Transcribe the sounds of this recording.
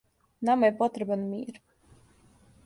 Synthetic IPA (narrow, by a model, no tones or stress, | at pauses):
namajpɔt̪ɾbanmiːɾ